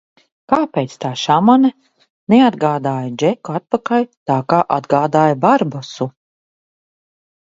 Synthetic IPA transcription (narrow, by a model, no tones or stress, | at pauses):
kaːpɛːt̪st̪aːʃamana | nead̪ɡaːd̪aːjad͡ʒɛkuat̪̚pakalt̪aːkaːʔad̪ɡaːd̪aːjbaɾbasu